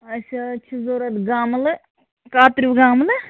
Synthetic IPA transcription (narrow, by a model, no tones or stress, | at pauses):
ɐsɐt͡ʃʰizoːɾɐt̪ɡaːmlɨ | kaːt̪ɾiʋɡaːmlɨ